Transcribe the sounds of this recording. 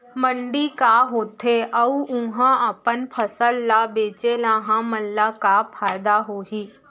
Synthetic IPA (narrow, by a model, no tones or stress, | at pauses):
mə̃ɳɖikaɦoːt̪eʔɐʊ̃ɦãəpənpʰəsəlːabeːt͡ʃelãɦãməlːakapʰaːjd̪aɦoɦiː